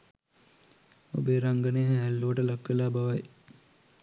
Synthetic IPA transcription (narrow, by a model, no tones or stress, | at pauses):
o̰beːɾaŋɡəneːɦɛɦælːuʋəʈəlakʋelaːbaʋaj